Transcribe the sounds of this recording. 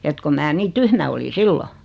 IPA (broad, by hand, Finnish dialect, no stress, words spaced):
et ko mæː niː tyhmæ oli silːo